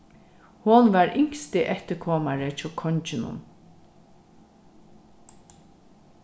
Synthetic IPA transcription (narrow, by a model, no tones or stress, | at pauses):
hʊnʋaɹʔɪŋ̥st̪ɪʔɛht̪əkʰoːmaɹət͡ʃʰɔkʰɔɲt͡ʃɪnʊ̰n